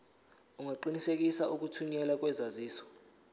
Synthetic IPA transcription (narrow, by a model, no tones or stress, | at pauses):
uŋaǃinisek̬ʼisaʔuk̬ʼutʰuɲɛlak̬ʼwɛzaziːsɔ̥